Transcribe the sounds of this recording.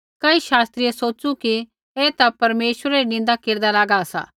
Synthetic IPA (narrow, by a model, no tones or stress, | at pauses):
kɐiʃaːst̪ɾijesoːt͡ʃuki | ɛːt̪apɐɾmeːʃəɾaɾinɪ̃nd̪akeːɾd̪alaːɡaːsa̰ː